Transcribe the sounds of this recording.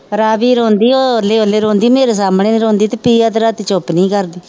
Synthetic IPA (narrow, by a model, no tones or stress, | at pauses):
ɾaːʋiːɾõːnd̪iːoːleːoleːɾõːnd̪iːmeːɾeːs̬aːmɳeːɾõːnd̪iːt̪epiːaːt̪ɾaːt̪it͡ʃopniːkəɾd̪iː